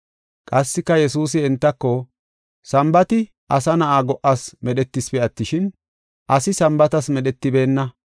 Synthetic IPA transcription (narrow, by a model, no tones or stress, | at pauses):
kʼɐsːɪkːɐjɛsuːs̬ɪɛnt̪ːɐkːɔ | sɐmbɐt̪ɪ | ʔɐsɐnɐʔaːɡɔʔɐsmɛɗɛt̪ːɪspɛɐt̪ːɪʃɪn | ʔɐsɪsɐmbɐt̪ɐsmɛɗɛt̪ːɪbe̞ːnːɐ